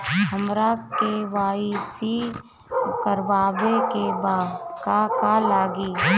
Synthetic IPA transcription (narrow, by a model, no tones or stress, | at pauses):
həmɾakeʋaːisi | kəɾbaːʋekebaːdkakalaːɡiː